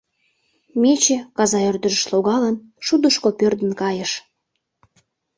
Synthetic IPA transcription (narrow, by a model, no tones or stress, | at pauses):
mʲet͡ɕĕkɑzɑørd̪ə̆ʒə̆ʃloɣɑlənʃud̪əʃkopørd̪ə̆nkɑjə̆ʃ